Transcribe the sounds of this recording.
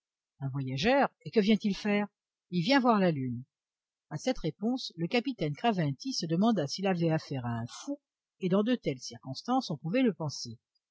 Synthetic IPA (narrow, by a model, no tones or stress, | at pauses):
ɛ̃vwajaʒœːʁekəvjɛ̃t̪ilfɛːʁ | ilvjɛ̃vwaʁlalyn | asɛt̪ʁepɔ̃sləkapit̪ɛnkχavɛ̃t̪isəd̪əmɑ̃d̪asilavɛafɛʁaɛ̃fu | ed̪ɑ̃d̪ət̪ɛlsiʁkɔ̃st̪ɑ̃sɔ̃puvɛləpɑ̃se